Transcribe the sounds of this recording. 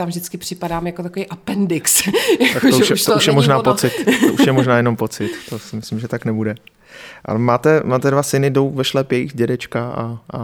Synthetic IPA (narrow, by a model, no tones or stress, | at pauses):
t̪amvʒdɪt͡skɪpr̥ɪpadaːmjakot̪akovijʔapɛndɪkstjak̪akooʃjɛt̪ouʃjɛmoʒnaːpot͡sɪt̪t̪oʔuʃjɛmoʒnaːjɛno̞mpo̞t͡sɪt̪ːosɪmɪslɪmʒɛt̪aknɛbudɛ | ʔa̰maːt̪ɛmaːt̪ɛdvasɪnɪdo̞wvɛʃlɛpjɛjixɟɛdɛt͡ʃkaa̰ʔa